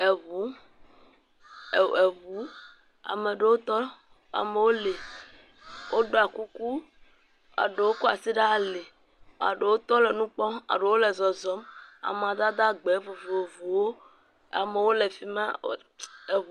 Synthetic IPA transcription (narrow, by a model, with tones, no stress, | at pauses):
e˨βu˨˦˨ | e˨βu˨˦ | a̰˨me˨ɖe˨wo˦t̪ɔ˦ | a̰˨me˨wo˦le˨ | wʔo˦ɖo˦a˨ku˦ku˦ | a̰˨ɖe˨wo˦ku˦a̰˨si˦ɖa˦˨le˨ | a̰˨ɖe˨wo˦t̪ɔ˦le˨nũ˦k͡pɔ˦a̰˨ɖe˨wo˦le˨zɔ˨zɔ˦ma̰˨m˨a˨d̪a˦d̪a˦ɡ͡be˨˦vo˨vo˨o˨vu˨wo˦ | a̰˨me˨wo˦le˨fi˦mã̰˦˨ | e˨